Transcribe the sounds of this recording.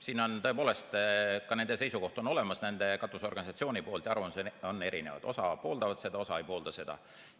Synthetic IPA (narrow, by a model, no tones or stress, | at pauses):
siːno̞nt̪ɤ̞e̞po̞ːle̞st̪kɑne̞nd̪e̞se̞jsuko̞ht̪o̞no̞le̞mɑsnænd̪̥e̞kɑt̪ːˑuso̞rɡ̥ɑnʲisɑt̪sio̞ːnʲipo̞ːlt̪jɑɑrvɑnseonːe̞ɾḭne̞̰vɑ̰d̪o̞sɑpo̞ːld̪ɑvɑt̪se̞d̪ɑo̞sɑejpo̞ːld̪ɑse̞d̪̥ɑ̰